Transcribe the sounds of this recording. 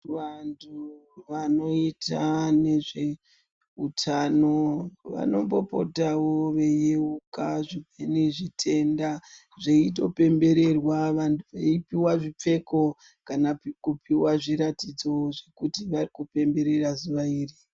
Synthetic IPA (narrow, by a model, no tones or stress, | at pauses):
ʋantʰuʋano̞itʰane̞ʐe̞ | utʰano̞ʋa̰no̞mbo̞̰po̞̰tawo̞ʋe̞jeukaʐibʱeniʐitʰe̞nda | ʐeito̞pe̞mbe̞ɾe̞rwaʋantʰuʋeipiwaʐip͡fe̞ko̞ | kanaikupiwaʐiɾatid͡zo̞ʐe̞kutiʋarikupe̞mbe̞ɾe̞razuʋaiːri